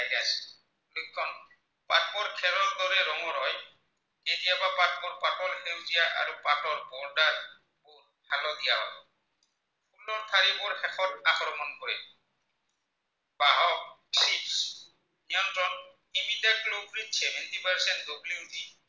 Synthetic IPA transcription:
ajɾas | lojkʰːɔn | patbɔɾkʰɛɾɔɾd̪ɔɾɛɾɔŋɔɾɔj | edijabapat̚bɔɹpaʈɔlhewzijaʔa̰ɾupatɔɹbɔɹɖaɾ | buɾ | halɔd̪ijaba̰bɔ̰ | pulːɔɾt̪ʰaɾibɔɹhɛkʰɔtakɾɔmɔnkɔɹɛ | baɦɔk̚tɾips | niɔntɾɔn | imidaʈ̚lopʰɾitt͡ʃʰɛmɛnt̪ipaɹsɛnd̪obliŋdi

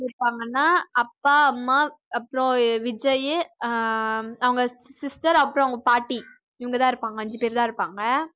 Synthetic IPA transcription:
ɪɾɯpːaːŋɡɐnːaːɐpːaːɐmːaːɐpːɯɾõʋɪd͡ʒɐjɯ | ɐʋɐŋɡɐsɪsʈɐɾɐpːɯɾõɐʋɐŋɡɐpaːʈːi | ɪʋɐŋɡɐt̪ãːɪɾɯpːaːŋɡɐɐɲd͡ʒɯpeːɾt̪ãːɪɾɯpːaːŋɡɐ

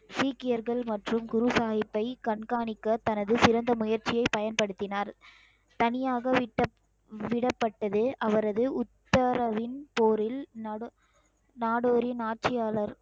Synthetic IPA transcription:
siːkːɪjɐɾɣɐɭmɐʈrɯmɡʊɾɯsaːɣɪpːɐɪkɐɳkaːɳɪkːɐt̪ɐnɐðɯsɪɾɐnd̪ɐmʊjɐɾt͡ʃɪjɐɪpɐjɐnpɐɽɯt̪ːɪnaːɾ | t̪ɐnɪjaːɣɐɪʈːɐ | ʋɪɽɐpːɐʈːɐðɯʔɐʋɐɾɐðɯʊt̪ːɐɾɐʋɪnpoːɾɪln | naːɽoːɾɪnaːʈ̚t͡ʃɪjaːlɐɾ

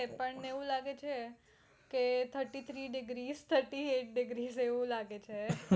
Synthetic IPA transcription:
epəɳneʋũlaɡet͡ʃʰe | ket̪ʰəɾʈit̪ʰɾiɖɪɡɾizt̪ʰəɾʈieʈ̚ɖɪɡɾizeʋũlaɡet͡ʃʰe

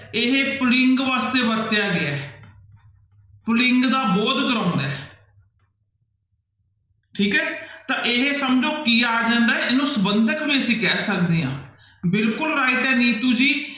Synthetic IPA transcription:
ɪɦeːpʊlɪŋɡʋaːst̪eːbəɾt̪ɪjaːɡɪaː | pʊlɪŋɡd̪aːbɔːt̪ɡəɾãːʊ̃nd̪aɛː | ʈʰiːkɛːt̪ãːʔeɦeːsəmd͡ʒoːkiːaːd͡ʒãːnd̪aːɛɪnũːsəbənd̪əkbiːəsĩːkɛːsəkd̪eːã̰ː | bɪlkʊlɾaːɪʈɛːniːt̪uːd͡ʒiː

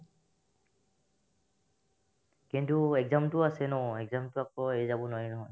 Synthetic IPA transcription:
kintuɛɡzamtʊasɛnɔɛɡzamtʊakɔezabɔnɔjnɔɦɔj

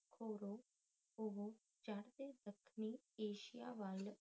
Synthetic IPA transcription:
kʰoːɾoː | oɦoː | d͡ʒaɽd̪eːd̪əkʰniːeːʃɪjaːʋaːɪl

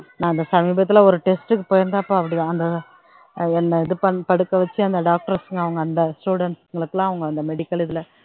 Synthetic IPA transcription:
nãːɐnd̪ɐsɐmiːbɐt̪ːɪlɐɔɾɯʈɛsʈɯkːɯpoːjɪɾnd̪aɐpːõːɐpːɐɽɪðãɐnd̪ɐ | ɛnːɐɪðɯpɐpɐɽɯkːɐʋɐt͡ʃːɯɐnd̪ɐɖaːk̚ʈɐɾsɯŋɡɐʋɐŋɡɐːnd̪ɐsʈuːɽɐɳʈsŋɡɐɭɯkːɯlãːɐʋɐŋɡɐɐnd̪ɐmɛɽɪkːɐlɪðɯlɐ

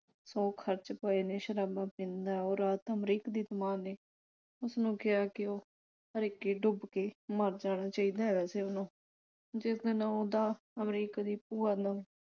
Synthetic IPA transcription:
sɔːkʰəɾt͡ʃpəeːneːʃəɾaːbaːpɪ̃nd̪aːoːɾaːt̪əmɾiːkd̪iːt̪əmaːneː | ʊsnũːkɪjaːkɪoː | əɾeːkeːɖʊbkeːməɾd͡ʒaːɽ̃aːt͡ʃaːiːd̪aːɦɛʋɛːseːʊnõː | d͡ʒɪsd̪ɪnãːoːd̪aː | əmɾiːkːd̪iːpuːaːd̪aː

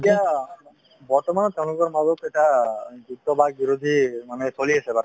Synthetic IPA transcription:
ʈija | bɔɹt̪ɔmanɔt̪ɛʊ̃lʊkɔɾmazɔkejʈaɡuk̚t̪ɔbaɡ̚biɾod̪ʱimanesoliesebaɾ

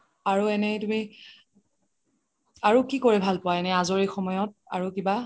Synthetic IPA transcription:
aɹuɛnɛtumi | aɹukikoɹɛbʱalpɔwaɛnɛazɔɹexɔmɔjɔt̚a̰ɹukiba

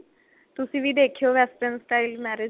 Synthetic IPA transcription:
t̪ʊsĩːʋʱid̪eːkʰijoːʋɛsʈənsʈaːilmɛːɾe

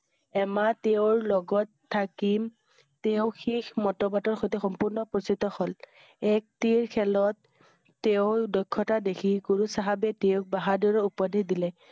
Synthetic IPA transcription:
ɛmateʊɹlɔɡɔtʰːakim | teʊxixmɔtɔbatɔɹxojtɛxɔmpuɹnɔpɔsitɔxɔl | ɛk̚tiɹkʰɛlɔtː | eʊdɔjkʰːɔtadekʰiɡoɹusaɦabɛteʊk̚baɦaduɹɔupɔdidilɛ

